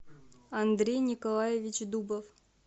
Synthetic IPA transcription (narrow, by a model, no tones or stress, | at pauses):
ɐnd̪ɾʲejnʲɪkɐlˠajevʲɪt͡ɕd̪ubəf